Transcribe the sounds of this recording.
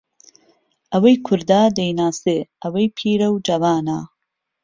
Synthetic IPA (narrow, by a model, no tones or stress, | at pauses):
ʔɐwɐjkʰʊɾd̪aːd̪ejnaːseɐwɐjpʰiːɾɐwd͡ʒɐvaːnaː